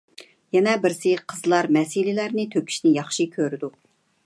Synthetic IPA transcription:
jɛnɛbɪɾsɪqʰəzlˠɑɾmɛsilɪlæɾnɪt̪ʰøkʲʰi̥ʃnɪjɑχʃikʲʰøɾɪd̪u

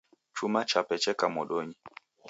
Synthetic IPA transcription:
t͡ʃumat͡ʃapɛt͡ʃɛkamɔɗɔɲi

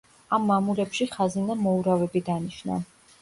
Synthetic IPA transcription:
amːamuɾɛpʃiχazinamɔuɾavɛbid̪aniʃna̰

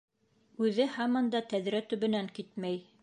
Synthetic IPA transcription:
ʉðɘhɑmɑnd̪ɑt̪æðɾæt̪ɵ̆βɘ̆næŋkit̪mæj

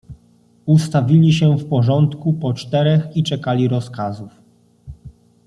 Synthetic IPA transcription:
ust̪avʲilʲiɕɛfpɔʐɔnt̪kupɔt͡ʂt̪ɛɾɛxit͡ʂɛkalʲiɾɔskazuf

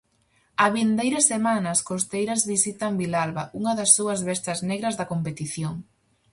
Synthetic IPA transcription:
ɐβind̪ejɾɐsemanɐskost̪ejɾɐzβisit̪ɐŋbilalβɐuŋɐðɐsːuɐzβɛst̪ɐzneɣɾɐzðɐkompet̪iθjoŋ

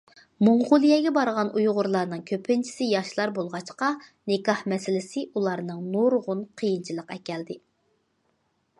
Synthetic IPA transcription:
moɴʁʊlˠijɛɡʲɛbɑɾʁɑnujʁʊɾlˠɑɾnɨŋkʲʰøpʰɪnt͡ʃʰi̥sɪjɑʃlˠɑɾbolˠʁɑt͡ʃqɑnɪkɑhmɛsɪlɪsɪʔulˠɑɾnɨŋnoɾʁʊnqʰəjint͡ʃʰilˠəqɛkʲɛld̪ɪ

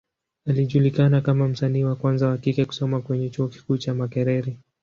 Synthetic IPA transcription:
aliʄulikanakamam̩saniːwakwanzahakikɛku̥sɔmakwɛɲɛt͡ʃuɔki̥kuːt͡ʃamakɛɾɛɾi

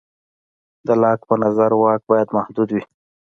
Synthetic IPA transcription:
d̪əlɑk̚pənazaɾwɑk̚bɑjad̪mahd̪ud̪wi

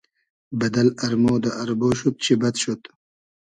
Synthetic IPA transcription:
bɐd̪ɐlɐɾmoːd̪ɐʔɐɾboːɕut̪̚t͡ɕʰibɐt̪ɕut̪

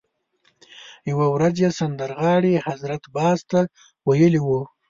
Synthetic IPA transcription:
jawawɾazjesand̪aɾɣɑɽehazɾat̪bɑzt̪a | wajəliwu

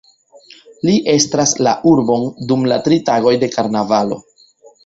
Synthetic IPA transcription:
liʔe̞stɾaslaʔuɾbo̞ndumlatɾitaɡo̞jde̞kaɾnavalo̞̰

